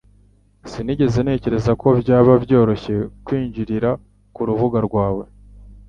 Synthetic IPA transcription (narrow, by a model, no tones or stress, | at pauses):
siniɟe̞ze̞ne̞ːce̞ɾe̞zako̞bjaːβabjo̞ːɾo̞çe̞kwiːɲɟiɾiɾa | kuɾuvuɡaɾɡwaːwe̞